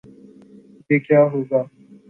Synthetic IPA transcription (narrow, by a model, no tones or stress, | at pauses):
ekjaːɦoɡaː